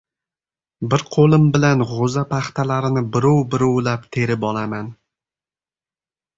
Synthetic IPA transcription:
bɪɾqʰolˠɪmbɪlanʁozapʰaχt̪ʰalaɾɪnɪbɪɾɒwbɪɾɒwlapt̪ʰe̞ɾɪpɒlˠaman

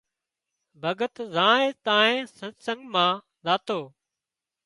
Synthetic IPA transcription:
bʱəɡət̪zãːeːt̪ãːɦẽːsəsə̃ŋɡmãː | zaːt̪oː

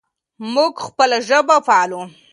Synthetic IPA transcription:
muɡxpəlaʒəbafɑlu

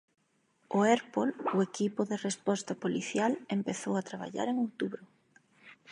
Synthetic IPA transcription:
ʊeɾpolʊekipʊðerespɔst̪apoliθjalempeθowat̪ɾaβ̞a̰ʎa̰ɾeŋowt̪uβɾʊ

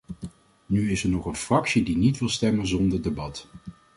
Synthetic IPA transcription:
nyɪsɛɹnɔχənfrɑksidinitʋɪlˠstɛmənzɔndəɹdebɑt

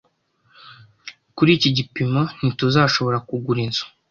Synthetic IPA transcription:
kuɾiːciɟipimo̞n̥ituzaːʃo̞βo̞ɾakuɡuɾizḁ

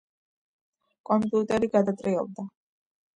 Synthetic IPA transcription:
kʼɔmpʼiut̪ʼɛɾiɡad̪at̪ʼɾiɔb̚d̪a

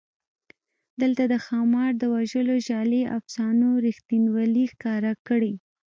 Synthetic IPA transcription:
d̪əlt̪ad̪əxɑmɑɾd̪əwaʒəloʒɑleʔa̰fsɑnoɾixt̪inwalixkɑɾakəɽi

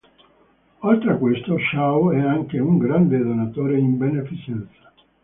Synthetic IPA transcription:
olt̪ɾekwest̪oʃawɛaŋkeuŋɡɾand̪ed̪onat̪oːɾeimbenefit͡ʃɛnt̪sḁ

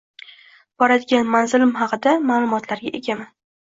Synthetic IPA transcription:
b̥ɒɾad̪ɪɡʲanmanzɪlɪmhɑqɨd̪amalˠʊmɒt̪ʰlaɾɡʲaʔe̞ɡʲaman

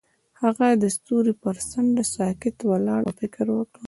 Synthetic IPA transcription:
haɣad̪əst̪uɾipəɾsaɳɖ̪əsɑkɪt̪walɑɽafɪkɾwəkɽə

